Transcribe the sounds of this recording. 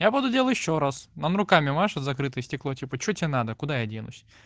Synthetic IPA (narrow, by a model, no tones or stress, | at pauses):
jabud̪ʊdʲelˠətʲɪɕːoɾasnənɾʊkamʲɪmaʂɨzɐkɾɨt̪ɨjəsʲtʲɪklˠotʲipət͡ɕɪotʲɪenad̪əkʊd̪ajadʲenʊ̰sʲ